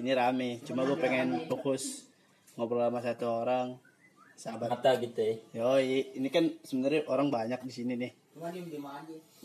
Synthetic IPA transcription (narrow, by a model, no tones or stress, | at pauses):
iniɾamɛt͡ʃumaɡuapɛŋɛnpukʊs | ŋopərlamasat̪uoɾaŋ | sabat̪aɡit̪ujɔjiinikansəmənaɾaʔoɾaŋbaɲak̚disininɪh | a